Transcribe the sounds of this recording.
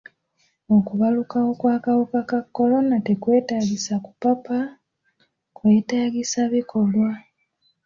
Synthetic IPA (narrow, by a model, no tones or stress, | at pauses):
o̞kuβalukao̞kwaːkawukakakːo̞lo̞natekwe̞ːtaːɡisakupapa | kwe̞ːtaːɡisaβikʰo̞lwa